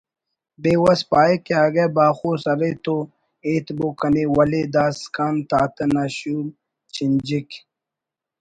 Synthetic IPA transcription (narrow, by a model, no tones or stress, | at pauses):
beːwɐspaːekeaːɡebaːxoːsɐɾet̪o | eːt̪bokɐnewɐled̪aːskaːnt̪aːt̪ɐnaɕuːl | t͡ɕind͡ʑik